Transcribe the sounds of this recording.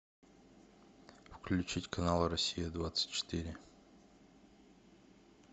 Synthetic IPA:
fklʲʉt͡ɕitʲkʰɐnalˠɾɐsʲijəd̪vat̪sɨ̥tʲt͡ɕɪ̥t̪iɾʲɪ

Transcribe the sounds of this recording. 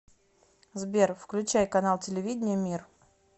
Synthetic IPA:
zbʲerfklʲʉt͡ɕæjkɐnalˠtʲɪlʲɪvʲidʲɪnʲɪjəmʲir

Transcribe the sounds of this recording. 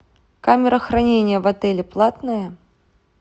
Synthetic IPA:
kamʲɛɾɐxɾanʲenʲjɐvat̪ɛlʲɛplˠat̪nɨjɐ

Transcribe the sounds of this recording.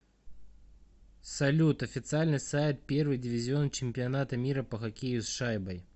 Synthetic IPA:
sɐlʲut̪ɐfʲɪt̪sɨalʲnɨsajt̪̚pʲe̞rvɨjdʲɪvʲɪzʲɪo̞nt͡ɕɪmʲpʲɪɐnat̪əmʲiɾəpəxɐkʲejʊsʂajbəj

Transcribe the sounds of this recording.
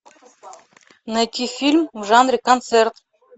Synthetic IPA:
nɐt̪ʲifʲilʲmuʒɑnrʲikont̪sert̪

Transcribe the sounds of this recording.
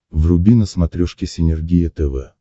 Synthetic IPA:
vrʊbʲinəsmɐt̪ɾʲɔʂkʲɪsʲɪnʲɪrɡʲijət̪ɛvɛ̰

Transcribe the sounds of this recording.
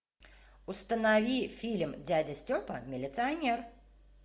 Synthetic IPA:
ʊst̪ənavʲifʲilʲmd͡zʲadʲɐsʲtʲopɐmʲɪlʲɪt̪sɨɐnʲɛr

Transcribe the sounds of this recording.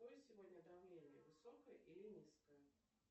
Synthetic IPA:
ojsʲɪvɔd̪ʲnʲɐd̪awlʲelʲəvɨsɔkəjəʔilinʲiskəjə

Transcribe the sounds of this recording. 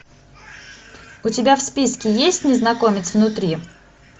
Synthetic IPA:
ʊtʲɪbʲafspʲiskʲɪjesʲtʲnʲɪznɐkomʲɪt̪svnʊt̪ɾʲi

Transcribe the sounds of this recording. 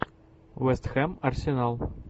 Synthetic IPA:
wɛst̪xɛmɐrsʲenɑlˠ

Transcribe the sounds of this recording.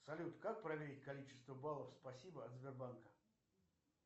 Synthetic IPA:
sɐlʲut̪kak̚pɾɐvʲeɾʲɪtʲkɐlʲit͡ɕɪ̥st̪vəbalˠəfspɐsʲibəɐt̪zʲbʲɪrbankə

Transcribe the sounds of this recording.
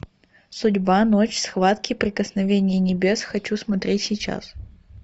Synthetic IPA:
sʊdʲbanot͡ɕsxvat̪kʲɪpɾʲɪkəsnɐvʲenʲɪjənʲɪbʲe̞sxɐt͡ɕusmɐt̪ɾʲʔetʲsʲɪjt͡ɕa̰s

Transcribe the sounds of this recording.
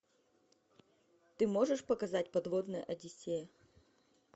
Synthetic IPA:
t̪ɨmoʐɨʂpɐkɐzatʲpɐd̪vod̪nɨjə̰ʔɐdʲɪsʲejə

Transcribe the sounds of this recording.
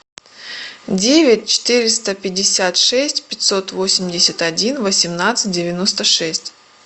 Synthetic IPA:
dʲevʲɪt̚ʲt͡ɕɪ̥t̪ɨɾʲɪst̪əpʲɪdʲɪsʲat̪ʂɛsʲtʲpʲɪtʲso̞t̪vo̞sʲɪmʲdʲɪsʲɪt̪ɐdʲinvəsʲɪmnat̪sɨ̥t̚ʲdʲɪvʲɪno̞st̪əʂɛsʲtʲ

